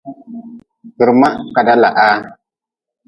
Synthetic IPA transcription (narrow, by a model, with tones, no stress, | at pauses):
kə˨ɾma˦ka˨da˦la̰˨ʔa˦